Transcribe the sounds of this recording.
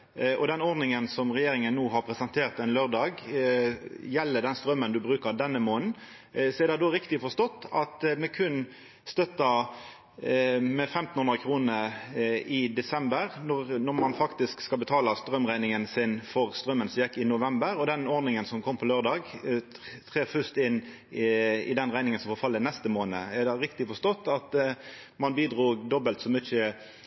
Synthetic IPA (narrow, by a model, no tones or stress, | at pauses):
ʔɔd̪ɛnɔɾd̪nɪŋənsɔmʁɛjeːɾɪŋənːuːɦɑɾpʰɾɛsɛnt̪ʰeːɾʁt̪ɛnløːɾd̪ɑːɡ | jɛlːəd̪ɛnst̪ɾœmːənd̪ʉbɾʉːkəɾd̪ɛnːəmoːn̩ | sɔɛʁd̪æd̪oːɾɪkt̪ɪfɔʂt̪ɔt̪ːɑt̪mɛkʰʉn | st̪œt̪ːɑ | mɛfɛmt̪n̩hʉnʁəkʰɾuːnə | ɪd̪ɛsɛmbəɾnɔʁnɔmɑnfɑkt̪ɪskskɑlbət̪ʰɑːlɑst̪ɾœmʁæɪnɪŋənsɪnfɔʁst̪ʁœmːənsɔmjɛkːɪnʊʋɛmbəɾɔd̪ɛnɔɾʁnɪŋənsɔmkʰɔmpʰɔløːʁd̪ɑːɡ | t̪ʰʁeːfʉst̪ɪnː | ɪ̰d̪ɛnʁæɪnɪŋənsɔmfɔːfɑlːənɛst̪əmoːnə̰æd̪æɪɾɪkt̪ɪfɔst̪ɔt̪ːɑt̪ | mɑnbiːd̪ʁuːɡd̪ɔbəlt̪sɔmʏːçə